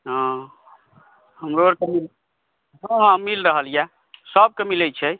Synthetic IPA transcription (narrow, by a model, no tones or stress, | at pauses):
ɦã | ɦəmɾoɾkemil | ɦãɦãmilɾəɦəlja | səb̚kemilɛt͡ʃʰɛ